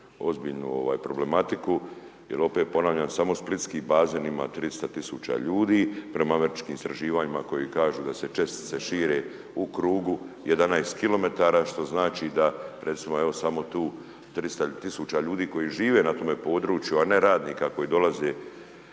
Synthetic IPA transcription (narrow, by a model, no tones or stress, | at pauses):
o̞zbiːʎnṵo̞̰ʋa̰ːjpɾo̞ble̞mat̪ikujelo̞pet̪̚po̞naːʋʎaːnsamo̞split̪skiːbaːzeːnima̰t̪ɾist̪at̪isuːt͡ʃa̰ʎuːd̪iːpɾe̞maame̞ɾit͡ʃkiːmist̪ɾaʒiːʋaːɲimako̞jikaːʒuːd̪ase̞t͡ʃe̞st̪i̥t̪seʃiːɾe̞ | ukɾuːɡuje̞d̪anajst̪kilo̞me̞t̪aːɾaʃt̪o̞znaːt͡ʃid̪aɾe̞t̪simo̞e̞o̞samo̞t̪uː | t̪ɾist̪at̪isut͡ʃaʎuːd̪iːko̞jiʒiːʋe̞ːnat̪o̞me̞po̞ːd̪ɾuːt͡ʃjuane̞ɾaːd̪niːkako̞jiːd̪o̞lazeː